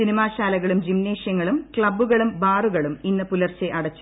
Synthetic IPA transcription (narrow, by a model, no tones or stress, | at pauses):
sinimaːɕaːlɐɣɐɭumd͡ʑimneːʂjɐŋːɐɭumkɭɐbːuɣɐɭumbaːruɣɐɭuminːɐpulɐrt͡ɕːeʔɐɽɐt͡ɕːu